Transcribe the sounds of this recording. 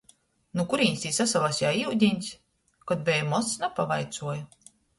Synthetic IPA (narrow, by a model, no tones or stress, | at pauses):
nukuɾiːnʲst̪iːsasalasjaiwd̪ʲinʲsʲ | kɔd̪̚bʲɛjmɔsnapavajt̪suɔju